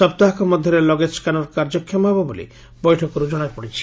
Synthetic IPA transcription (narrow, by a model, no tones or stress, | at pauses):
sɔb̚t̪aɦakɔmɔd̪ʱjɔɾelɔɡeskanɔɾkaɾd͡ʒɔkʰːjɔmɦebɔbolḭ | bɔjʈʰɔkɔɾud͡ʒɔɽ̃apɔɽit͡ʃʰi̥